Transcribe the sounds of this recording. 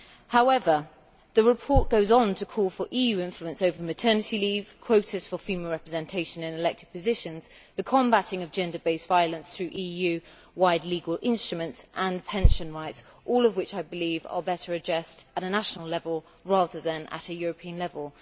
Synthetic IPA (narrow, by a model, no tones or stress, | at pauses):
haʊɛvə | ðəɹɪpʰɔɹʔ̚ɡ̥oʊzn̩tʰəkʰɔlˠfəɹʔijʉɪ̃ɱfluə̃nsəʊvəmətʰɜːnɨtiliv̥kʰw̥oʊtɨz̥fəfimɛlˠɹɛpɹəzɛ̃ntʰeɪʃə̃nɨ̃nɪlɛk̚tʰɪɡ̚pʰɨzɪʃə̃nz̥ðɨkʰɒ̃mbaɾɪ̃ŋʌvd͡ʒɛ̃ndə˞beɪsv̥aɪəlˠə̃nsθɹʉʔijʉ | waɪdˡliːɡəlˠɪ̃nstɹ̥əmə̃ntsʔə̃npʰɛ̃nʃə̃nɹaɪts | ʔɔːlˠʌvwɪt͡ʃaɪbɨlivə̰˞bɛɾə˞ɨd͡ʒɛstəɾənaʃnl̩ˠlɛvəlˠ | ɹɑːðə˞ðə̃nə̰ɾɨjʊɹəpʰĩə̃nlɛvəlˠ